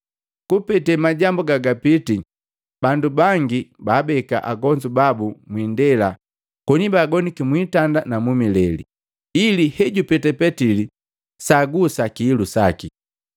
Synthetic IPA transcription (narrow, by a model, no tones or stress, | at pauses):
kupɛtɛmaɟambuɡaɡapiti | b̥andubaŋɡibaːbɛka̰ʔaɡɔɲd͡ʒubabumwindɛla | kɔnibaːɡɔnikimwitandanamumilɛlḭ | ilihɛɟupɛtɛpɛtili | saɡusakiːlusaki